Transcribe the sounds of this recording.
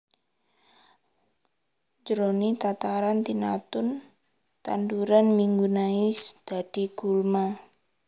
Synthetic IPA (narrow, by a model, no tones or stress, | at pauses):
d͡ʒɾonit̪at̪aɾant̪ina̰t̪ʊn | t̪a̰nduɾanmiŋɡunaɪsd̪̥ad̥iɡ̥ulma